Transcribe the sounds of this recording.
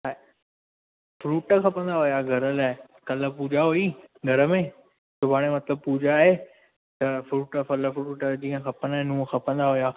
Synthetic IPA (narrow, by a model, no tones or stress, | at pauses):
a | fɾuːʈxɐpə̃nd̪aɦʊjaɡʱɐɾəlaːɪ | kɐlə̆puːd͡ʑaɦuiɡʱɐɾə̆mẽː | sʊbʱaːɽ̃emɐt̪ləb̚puːd͡ʑaːɦe | t̪ɐfɾuːʈfɐləfɾuːʈd͡ʑĩːə̃xɐpənaɦnũːxɐpə̃nd̪aɦʊja